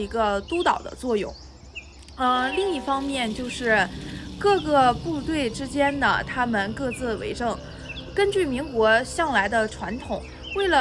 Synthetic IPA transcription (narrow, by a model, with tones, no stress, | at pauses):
i˧˥ɡə˧t̪u˥t̪ɑ˨˩ʊd̪ə̰˦t͡swɔ˥˧jʊ̰˥˩ŋ | ə˧˩li˥˧ŋi˥˩fɑ˥ŋmjɛ˥˧nt͡ɕjo˥˧ʊʂɻ̩˥˩kɤ˥˧ɡɤ˥˧pu˥˧t̪we˥˩ɪʈ͡ʂɻ̩˥t͡ɕjɛ˥nd̪ə̰˩t̪ʰa˥mə˨nkɤ˥˧t͡sɹ̩˥˩wḛ˧˥ɪʈ͡ʂɤ˥˩ŋ | kə˥nt͡ɕy˥˩mi˧˥ŋkwɔ˧˥ɕjɑ˥˩ŋla˧˥ɪd̪ə˧ʈ͡ʂʰwa˧˥nt̪ʰʊ˨˩˦ŋ | we˥˩ɪlə˩